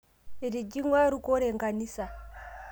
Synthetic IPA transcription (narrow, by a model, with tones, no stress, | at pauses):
i˨ɾi˨d͡ʒi˦ŋwa˦ɾu˦ko˦ɾeŋka˨ni˦sa˨